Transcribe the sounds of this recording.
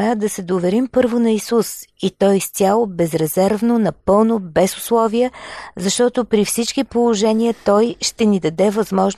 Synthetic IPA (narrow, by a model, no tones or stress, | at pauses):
ad̪ɐsɛd̪ovɛɾimpɤɾvʊnɐisusit̪ɔjst̪ʲjalˠʊbɛzɾɛzɛɾvnonɐpɤlˠnobɛzʊslˠɔviəzɐʃt̪ɔt̪ʊpɾifsit͡ʃkipolˠoʒɛniət̪ɔjʃt̪ɛnid̪ɐd̪ɛvɐzmɔʒn